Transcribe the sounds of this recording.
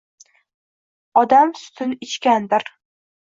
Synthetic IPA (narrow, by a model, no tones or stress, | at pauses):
ɒd̪amsʊ̥t̪ʰɪnɪt͡ʃkʲand̪ɪɾ